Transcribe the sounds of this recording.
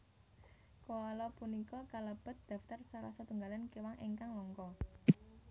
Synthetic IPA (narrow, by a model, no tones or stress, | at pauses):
koalɔpunikɔkaləb̥ə̤t̪̚d̪̥ä̤ft̪arsaɾasat̪uŋɡalankewaŋʔeŋkaŋlɔŋkɔ